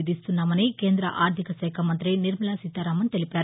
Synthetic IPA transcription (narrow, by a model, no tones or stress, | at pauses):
d̪ist̪unːaːmɐnike̞ːnd̪ɾɐ̰ʔaːɾt̪ikɐsɛːkʰɐmɐnt̪ɾiniɾmɐlasit̪ːɐɾaːmɐnt̪elipaːɾu